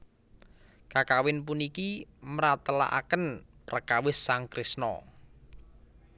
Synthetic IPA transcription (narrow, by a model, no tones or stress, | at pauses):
kakawɪnpunikiməɾat̪əla̰ʔa̰kənprəkawɪsːaŋkɾɪsnɔ̰